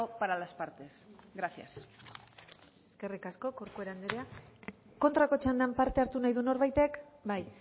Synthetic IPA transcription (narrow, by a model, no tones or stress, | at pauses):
opaɾalaspaɾt̪e̞sɣɾaθja̰s | eske̞rikasko̞koɾkue̞ɾand̪eɾea | ko̞nt̪ɾako̞t͡ʃand̪ampaɾt̪e̞aɾt̪unajðuno̞ɾβajt̪e̞kbaj